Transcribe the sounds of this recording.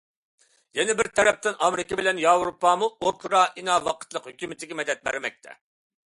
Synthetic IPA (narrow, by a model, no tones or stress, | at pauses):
jɛnɛbɪɾt̪ʰɛɾɛp̚t̪ɪnʔɑmɾɪkʲɪbɪlɛnjɑwɾopːɑmuokʰɾɑʔinɑːvɑqʰə̥t̪lˠəqhøkʲymɪt̪ʰɪɡʲɛmɛd̪ɛt̪̚bæ̰ɾmɛk̚ʲt̪ʰɛ̰